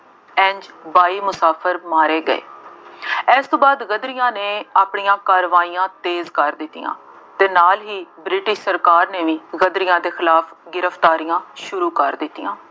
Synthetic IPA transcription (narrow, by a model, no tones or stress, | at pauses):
ɛ̃ːɲd͡ʒbaːiːmʊsaːpʰəɾmaːɾeːɡəḛː | ɛːst̪õːbaːd̪ɣəd̪ɾɪjãːneːaːpɳijãːkaːɾʋaːijãːt̪eːzkəɾd̪ɪt̪ːijã̰ː | t̪eːnaːlɦiːbɾɪʈɪʃsəɾkaːɾneːʋiːɣəd̪ɾɪjãːd̪eːxɪlaːpʰɡɪɾəft̪aːɾijãːʃʊɾuːkəɾd̪ɪt̪ːijã̰ː